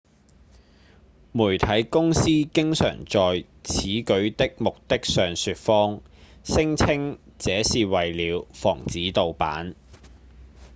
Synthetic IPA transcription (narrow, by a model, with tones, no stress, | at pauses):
muː˨˩jt̪ʰɐ˨˥jkʊ˥ŋsiː˥kɪ˥ŋsœ̰ː˨˩ŋt͡sɔː˨j | t͡sʰiː˨˥kɵ˨˥ɥt̪ɪ˥k̚mʊ˨k̚t̪ɪ˥k̚sœː˨ŋsyː˧t̚fɔː˥ŋ | sɪ˥ŋt͡sʰɪ˥ŋt͡sɛː˨˧˥siː˨wɐ˨jliː˨˧wfɔ̰ː˨˩ŋt͡siː˨˥t̪o˨wpa̰ː˨˥n